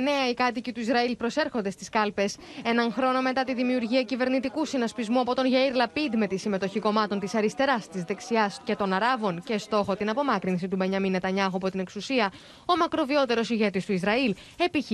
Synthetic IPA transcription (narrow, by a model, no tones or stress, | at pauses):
ne̞ɐikɐt̪icit̪uizɾɐilpɾo̞se̞ɾxo̞nd̪e̞st̪iskɐlpe̞s | e̞nɐnxɾo̞no̞me̞t̪ɐt̪iðimiuɾʝiɐcive̞ɾnit̪ikusinɐspizmuɐpot̪o̞nʝɐiɾlɐpid̪me̞t̪isime̞t̪o̞çiko̞mɐt̪o̞nt̪isɐɾist̪e̞ɾɐst̪izðe̞ksiɐsce̞t̪o̞nɐɾɐvo̞nce̞st̪o̞xo̞t̪inɐpo̞mɐkɾinsit̪umeɲɐminɐt̪ɐɲɐxuɐpo̞t̪ine̞ksusiɐ | o̞mɐkɾo̞vio̞t̪e̞ɾo̞siʝe̞t̪ist̪uizɾɐil | e̞piç